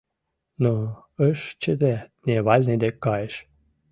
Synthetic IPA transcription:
no | əʃt͡ɕəd̪enʲeβɑlʲned̪ekːɑjeʃ

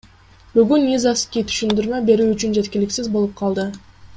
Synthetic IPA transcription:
byɡynːʲizaskʲijt̪ʰy̥ʃynd̪yɾmøbe̞ɾyːt͡ʃynd͡ʒe̞t̪kʲilɪksizbo̞lˠup̚qʰɑlˠd̪ɯ

